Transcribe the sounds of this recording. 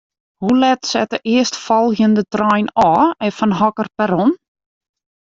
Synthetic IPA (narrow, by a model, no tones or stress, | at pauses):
hulɛtsɛ̰təʔɪəstfɔlˠɣjəndətrɔjnɔːɛfɔnɦɔkərpɛɾɔn